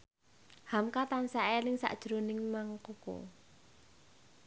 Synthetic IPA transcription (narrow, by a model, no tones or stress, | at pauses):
hamkat̪ansaʔelɪŋsa̰ʔd̥ʒ̥ɾonɪŋmaŋkoko̰